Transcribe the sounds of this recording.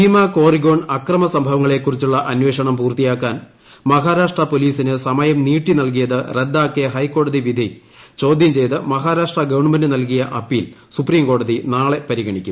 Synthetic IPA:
iːmaːko̞ːriɡo̞ːɳɐkrɐmɐsɐmbʱɐʋɐŋːɐɭe̞ːkːurit͡ɕːuɭːɐʔɐnwe̞ːʂɐɳɐmpuːrt̪ːijaːkːaːn | mɐɦaːɾaːʂʈrɐpo̞liːsinɨsɐmɐjɐmniːʈːinɐlk̬ijɐðɨred̪ːaːkːijɐɦɐjkːo̞ːɽɐðiʋid̪ʱi | t͡ɕo̞ːd̪ʱjɐmt͡ɕe̞jt̪ɨmɐɦaːɾaːʂʈrɐɡɐʋɐɳmɐndɨnɐlk̬ijɐʔɐpːiːl | supriːmko̞ːɽɐðinaːɭe̞pɐɾiɣɐɳikʲːum

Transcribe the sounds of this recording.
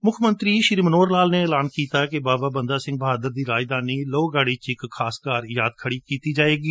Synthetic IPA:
mʊkʰmənt̪ɾiːʃɪɾiːmənoːɾlaːlneːɛːlaːnkiːt̪aːkebaːbaːbənd̪aːsɪ̃ŋɡ̚bəɦaːd̪əɾd̪iːɾaːjd̪aːniːloːɡaːɽiːt͡ʃɪkkʰaːskaːɾjaːd̪̚kʰəɽiːkiːt̪iːd͡ʒaːeːɡiː

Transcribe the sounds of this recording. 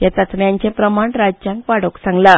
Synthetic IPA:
t̪jat̪ət̪ʰmjaɲt͡ɕepɾəmaɳɾad͡ʑd͡ʑjãŋkʋaɽoksãŋɡla

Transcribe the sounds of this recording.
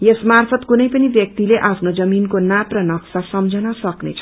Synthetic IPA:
jesmarpʰʌt̪kunʌjpʌnibjʌk̚t̪ileʔapʰnod͡zʌminkonaprʌnʌksasʌmd͡zʱʌnʌsʌknḛt͡sʰʌ̥

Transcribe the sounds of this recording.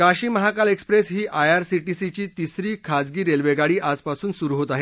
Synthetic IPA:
kaɕiːməɦakalekspɾesɦiːʔajaɾsiʈisit͡ɕiːt̪isɾiːkʰad͡zɡiːɾelʋeɡaɽiːʔad͡zpasuːnsuɾuɦot̪aɦe

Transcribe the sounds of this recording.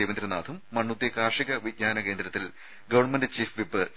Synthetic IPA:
ejʋɐnd̪ɾɐnaːd̪ʰʱumːɐɳːut̪ːjɐkaːrʂiɣɐʋiɡ̚ɲaːnɐke̞ːnd̪ɾɐt̪ːil | ɡɐʋɐɳmendɨt͡ɕiːfʋipːɨ

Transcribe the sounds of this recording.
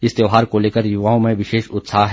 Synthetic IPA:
ɪst̪ewɦaːɾkoleːkəɾjʊʋaːõmẽʋɪʃeːʃʊt̪saːɦɦ

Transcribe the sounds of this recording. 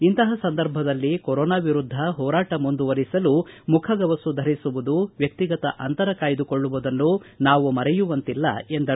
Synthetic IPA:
int̪ɐɦɐsɐnd̪ɐɾbʱɐd̪ɐlːikɔɾɔːnaːʋiɾud̪ʱːɐɦɔːɾaːʈɐmund̪uʋɐɾisɐlumukʰɐɡɐʋɐsud̪ʱɐɾisuʋud̪uʋjɐk̚t̪iɡɐt̪ɐʔɐnt̪ɐɾɐkaːjd̪ukoɭːuʋud̪ɐnːunaːʋumɐɾɛjuʋɐnt̪ilːɐ̰e̞nd̪ɐ

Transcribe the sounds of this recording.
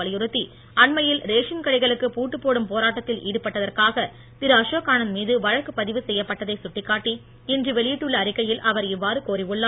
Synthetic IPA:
ɐɭɪjɯɾɯt̪ːi | ʔɐɳmɐjɪlɾeːʂɐnkɐɽɪɣɐɭɯkːɯpuːʈːɯpːoːɽɯmpoːɾaːʈːɐt̪ːɪlʔiːɽɯpːɐʈːɐðɐrkaːɣɐ | t̪ɪɾaːʂoːkːaːɳɐnmiːðɯʋɐɻɐkːɯpɐðɪʋɯsɛjːɐpːɐʈːɐðɐɪsʊʈːɪkːaːʈːi | ɛndrɯʋɛɭɪjɪʈːɯɭːɐːɾɪkːɐjɪlɐʋɐɾɪʋːaːɾɯkoːɾɪʋɯɭːɐ

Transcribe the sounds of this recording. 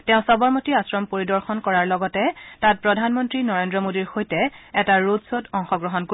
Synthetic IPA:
tɛ̃ʊ̃sɔbɔɹmotiasɹɔmpoɹidɔɹxɔnkɔɹaɹlɔɡɔtɛtat̚pɹɔdʱanmɔntɹinɔɹendɹɔmodiɹxojtɛɛtaɹodsotɔŋxɔɡɹɔɦɔnko

